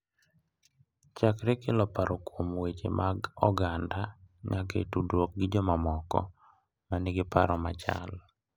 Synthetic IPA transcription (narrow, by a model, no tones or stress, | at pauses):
t͡ʃakɾekelɔpaɾɔkwomwet͡ʃḛmʔaɡɔɡandaɲakḛtudwok̚ɡɪd͡ʒɔmamɔkɔ̰ | manɪɡɪpaɾɔmat͡ʃa̰l